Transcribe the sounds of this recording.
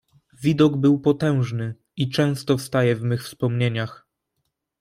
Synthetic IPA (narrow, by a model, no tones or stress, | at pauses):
vʲid̪ɔɡbɘwpɔt̪ɛ̃w̃ʐnɘ | it͡ʂɛ̃w̃st̪ɔfst̪ajɛvmɘxfspɔmɲeɲax